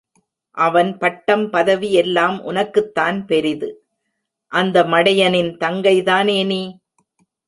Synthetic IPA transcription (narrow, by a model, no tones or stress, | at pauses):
ʔɐʋɐnpɐʈːɐmpɐðɐʋiɛlːaːmʔʊ̰nɐkːɯt̪ːaːnpɛɾɪðɯ | ʔɐnd̪ɐmɐɽɐjɐnɪnt̪ɐŋɡɐɪðaːneːniː